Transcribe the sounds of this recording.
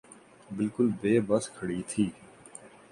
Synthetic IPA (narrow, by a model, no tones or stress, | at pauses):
bɪlkʊlbeːbəskʰəɽiːt̪ʰiː